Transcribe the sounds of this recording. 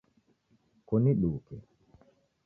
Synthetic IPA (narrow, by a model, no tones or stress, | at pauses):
kɔniɗuːkɛ